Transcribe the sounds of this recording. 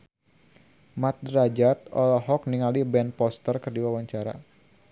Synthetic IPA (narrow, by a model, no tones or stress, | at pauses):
mat̪̚dɾad͡ʒat̪̚ɔlɔɦɔk̚niŋalibɛnpɔst̪ərkərdiwawaɲt͡ʃaɾa̰